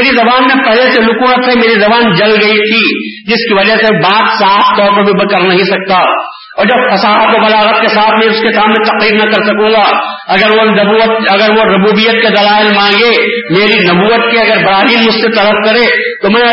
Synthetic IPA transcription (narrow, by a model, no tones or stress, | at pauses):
eɾizɐbaːnmẽpɛɦleselʊkuːnət̪ːẽmeːɾizɐbaːnd͡ʒɐlɡɐit̪ʰid͡ʒɪskiʋɐd͡ʒəsebaːt̪saːft̪ɔːɾpɐbʱibɐkɐɾnɐɦĩsɐk̚t̪a | ɔːɾd͡ʒɐb̚fɐsaːɦət̪kobɐlaːɣət̪̚kesaːt̪ʰmẽʊskesaːmnẽt̪ɐqɾiːɾnɐkɐɾsɐkõːɡa | ɐɡəɾonɐbuət̪ɐɡəɾʋoɾɐbuːbijət̪̚ked̪ɐlaːɪlmãːŋɡe | meːɾinɐbuːət̪̚keɐɡəɾbɐɾaːɾiːlmʊd͡ʒset̪ɐləfkɐɾeː | t̪omɛ̃